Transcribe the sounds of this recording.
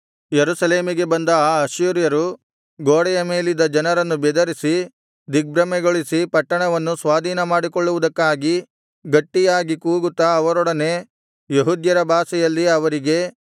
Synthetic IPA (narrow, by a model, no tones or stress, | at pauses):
jeɾusɐle̞ːmiɡe̞bɐnd̪ɐaːɐʃuːɾjɐɾu | ɡoːɽɛjɐmeːlid̪ɐd͡ʒɐnɐɾɐnːubɛd̪ɐɾisi | d̪ik̚bɾɐmɛɡoɭisipɐʈːɐɳɐʋɐnːusʋaːd̪ʱiːnɐmaːɽikɔɭːuʋud̪ɐkːaːɡi | ɡɐʈːijaːɡikuːɡut̪ːɐːʋɐɾɔɽɐne | jeɦud̪jɐɾɐbʱaːsɐjɐlːiɐʋɐɾiɡe̞